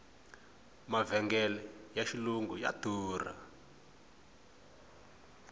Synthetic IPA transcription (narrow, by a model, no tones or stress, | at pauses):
mavɛŋɡɛlɛjaʃiluŋɡuja̰d̥ʱuːra̰